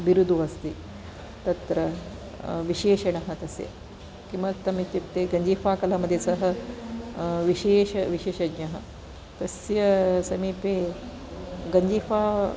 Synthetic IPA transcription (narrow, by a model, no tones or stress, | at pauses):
biɾud̪ʱuʋɐst̪iː | t̪ɐt̪ɾɐ | ʋiʃeːʃɐɳɐɦɐt̪ɐsjɐ̰ | kimʋɐt̪ɐmit̪jit̪ːeɡɐɲd͡ʒiːfaːkɐlɐmɐd̪ʱːjesɐɦɐ | ʋiʃeːʃɐʋiʃeːʃɐɡɲɐɦɐ | t̪ɐsjɐsɐmiːpe | ɡɐɲd͡ʒiːfaː